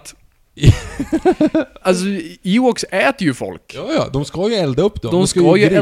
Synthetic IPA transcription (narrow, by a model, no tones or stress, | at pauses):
t̪ | als̬ɔiwɔksɛːt̪əɾjɵfɔ̰lkjɑːjɑ̰ːd̪ɔmskajɵɛld̪aɵpːd̪ɔd̪ɔmsajə